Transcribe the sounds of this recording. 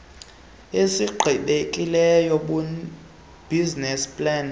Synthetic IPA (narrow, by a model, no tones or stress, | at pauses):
esiɡ͡ǃʱiɓekʼilɛjɔɓu | b̥iznɛspʼlan